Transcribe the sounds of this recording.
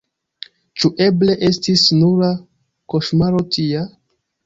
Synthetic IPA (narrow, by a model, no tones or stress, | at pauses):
t͡ʃuʔe̞ble̞ʔe̞stisnuɾa | ko̞ʃmaɾo̞tʰia